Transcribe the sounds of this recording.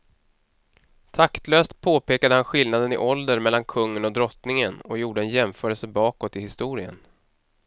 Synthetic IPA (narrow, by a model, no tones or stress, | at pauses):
t̪ʰakt̪løːst̪̚pʰoːpʰeːkad̪əhanɧɪlnad̪ənɪ̰ʔɔld̪əɾmɛlːankʰɵŋːənɔd̪ɾɔt̪nɪŋənɔjuːɖəɛnjɛmfœːɾəlsəbɑːkɔt̪ːɪhɪst̪uːɾɪə̰n